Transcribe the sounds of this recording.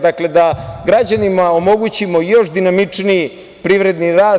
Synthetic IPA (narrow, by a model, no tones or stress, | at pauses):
d̪akle̞d̪aɡɾad͡ʑanimao̞mo̞ɡut͡ɕimo̞jo̞ʃd̪inamit͡ʂniji | pɾiːʋɾe̞d̪niɾaːs